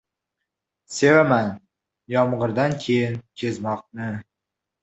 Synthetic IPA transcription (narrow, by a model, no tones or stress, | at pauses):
se̞vaman | jɒmʁɨɾd̪ankʲʰe̞jɪnkʲʰezmɒq̚nɪ